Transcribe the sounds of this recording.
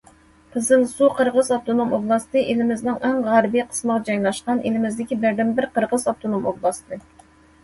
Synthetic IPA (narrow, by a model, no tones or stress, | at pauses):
qʰəzɨlˠsuqʰəɾʁəzɑb̚t̪ʰonomoblˠɑst̪ɨʔelɪmɪznɨŋʔɛŋʁæɾbijqʰə̥sməʁɑd͡ʒɑjlˠɑʃqɑnʔḛlɪmɪzd̪ɪkʲibæɾd̪ɛmbɪɾqʰəɾʁəzɑb̚t̪ʰonomoblˠɑst̪ʰɨ